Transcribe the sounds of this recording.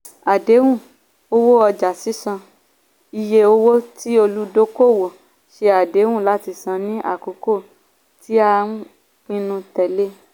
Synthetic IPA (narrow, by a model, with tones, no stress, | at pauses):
a˨de˨˦wũ˦˨ | o˧wo˦ɔ˧d͡ʒa˨si˦sã˧ | i˧je˧o˧wo˦ti˦o˧lu˦do˦ko˦˨wo˨ | ʃe˧a˨de˨˦wũ˦˨la˨˦ti˧sã˧nĩ˦ʔa̰˦˨ko˨˦ko˦˨ | ti˦a˧ũ˦ | k͡pĩ˧nũ˧tɛ˨le˦